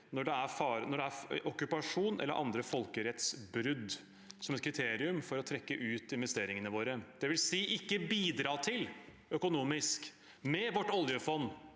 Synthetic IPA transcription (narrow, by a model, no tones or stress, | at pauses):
nɔɖɛæɾfɑːɾnɔɖɛæɔkːʉpɑʂuːnʔɛ̰lːə̰ɾʔɑ̰nd̪ɾəfɔlkəɾɛt̪sbɾʏd̪ | sɔmɛt̪̚kʰɾɪt̪ʰeːɾɪʉmfɔɾɔt̪ʰɾɛkːəʔʉːt̪ɪnʋɛst̪eːɾɪŋənəʋoːɾəd̪̥ɛʋɪlsiːʔɪkːəbiːd̪ɾɑːt̪ʰɪl | œkʊnuːmɪsk | mɛʋɔʈːɔljəfɔnː